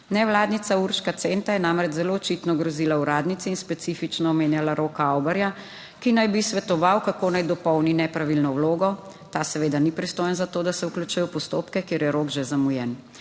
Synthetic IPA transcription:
nɛwlaːd̪nit̪sauɾʃkat̪sent̪ajɛnamɾɛt͡ʃzɛloːt͡ʃit̪nɔɡɾɔziːlauɾaːd̪nit̪siinspɛt̪siːfit͡ʃnɔːmeːnjalaɾoːkawbɛɾja | kinajbisʋɛt̪ɔʋawkakoːnajd̪ɔpɔwninɛpɾaʋilnɔwloːɡɔ | t̪aːsɛʋeːd̪anipɾist̪oːjɛnzat̪oːd̪asɛuklʲut͡ʃujɛwpɔst̪oːpkɛkeːɾjɛɾoɡʒɛzamujɛn

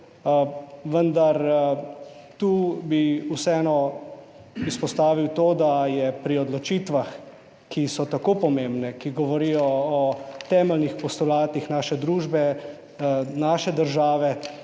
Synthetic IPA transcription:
ʋənd̪aɾ | t̪uːbiusɛɛːnɔ | ispɔst̪aːʋiwt̪oːd̪ajɛpɾiɔd̪lɔt͡ʃit̪ʋax | kisɔt̪akoːpɔmembnɛkiɡɔʋɔɾijɔː | t̪ɛːmɛlnixpɔst̪ulaːt̪ixnaːʃɛd̪ɾuːʒbɛ | naːʃɛd̪əɾʒaːʋɛ

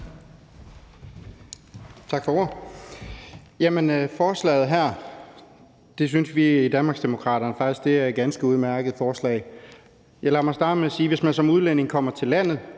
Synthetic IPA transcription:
t͡sʰɑ̈ɡ̥fɒoɐ | jæmənfɒːslɛ̰ːɪð̞̩ˠɦæɐ̰ | d̥e̝s̬ynsʋiid̥ænmɑ̈ɡ̥sd̥e̝mo̝kʰʁɑ̰̈ːɾ̥ɐnəfɑ̈ɡ̥isɡ̥̚d̥e̝æɐɡ̥ænsɡ̥əuð̞ˠmæɐɡ̥əð̩ˠfɒːslɛ̰ɪ | jɑ̈ɪlæ̈mɑ̈ɪsd̥ɑ̈ːd̥əmeæsiːʋe̝smænsɒ̽muð̞ˠlen̰e̝ŋkʰɒ̽m̰ɐt͡sʰe̝lːæn̰ð̩ˠ

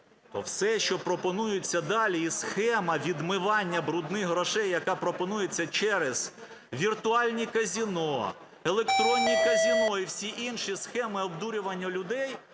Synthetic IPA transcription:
t̪ɔ̰wsɛʃt͡ʃɔpɾɔpɔnujʊt͡sʲːɐd̪ɑlʲiisxɛmɐʋʲid̪mɪʋɑnʲːɐbɾʊd̪nɪɦɾɔʃɛjːɐkɑpɾɔpɔnujet͡sʲːɐt͡ʃɛɾez̥ | ʋʲirt̪ʊɑlʲnʲikɐzʲinɔ | elˠekt̪ɾɔnʲːikɐzʲinɔiwsʲiʔinʃisxɛmɪɔbd̪uɾʲʊʋɐnʲːɐlʲʊd̪ɛj

